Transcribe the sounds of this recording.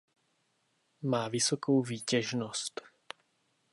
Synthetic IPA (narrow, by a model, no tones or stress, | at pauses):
maːʋisɔkuːviːcɛʒnɔst̪